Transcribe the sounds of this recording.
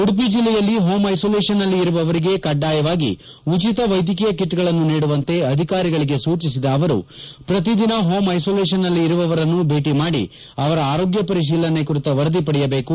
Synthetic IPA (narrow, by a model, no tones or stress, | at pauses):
uɽup̬id͡ʒilːɛjɐlːiɦoːmɐjsoːleːʃɐnɐlːiːɾuʋɐʋɐɾiɡe̞kɐɖːaːjɐʋaːɡḭ | ut͡ʃit̪ɐʋɐjd̪ʱjɐk̬ijɐkiʈːɡɐɭɐnːuniːɽuʋɐnt̪e̞ɐd̪ʱikaːɾiɡɐɭiɡe̞suːt͡ʃisid̪ɐːʋɐɾṵpɾɐt̪̬id̪inɐɦo̞ːmɐjsoːleːʃ̬ɐnːɐlːiːɾuʋɐʋɐɾɐnːubʱe̞ːʈimaːɽḭ | ɐʋɐɾɐaːɾoːɡjɐpɐɾiʃ̬iːlɐne̞kuɾit̪ɐʋɐɾɐd̪ipɐɽɛjɐbe̞ːku